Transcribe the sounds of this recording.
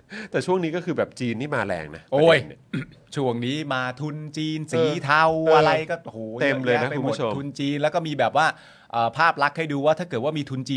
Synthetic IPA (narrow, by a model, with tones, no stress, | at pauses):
t̪ɛː˨˩t͡ɕʰu˥˩əŋniː˦˥kɔː˥˩kʰɯː˧bɛː˨˩p̚t͡ɕiː˧nt̪ʰiː˥˩maː˧lɛ̰ː˧ŋna̰˦˥ʔoː˧˩jt͡ɕʰu˨˩əŋniː˦˥maː˧t̪ʰu˧nt͡ɕiː˧nsiː˨˩˦t̪ʰa˧wʔa˧ɾa˧jkɔː˥˩hoː˨˩˦e˧mləɤː˧jna˦˥kpa˧ju˧˨pʰu˦˩˥t͡ɕʰo˧tmʰu˧nt͡ɕiː˧nlɛː˦˥wkɔː˥˩miː˧bɛː˨˩p̚waː˥˩ | ʔɤː˨˩pʰaː˥˩p̚la˦˥k̚ʰːa˥˩jduː˧waː˥˩t̪ʰaː˥˩kɤː˨˩waː˥˩miː˧t̪ʰu˧nt͡ɕiː˧